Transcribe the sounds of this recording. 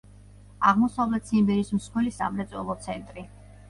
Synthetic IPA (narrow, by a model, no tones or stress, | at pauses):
aʁmɔsavlɛt̪ʰsimbɛɾismsqʰwɛlisa̰mɾɛt̪sʼwɛ̰lˠɔt̪sʰɛnt̪ʼɾi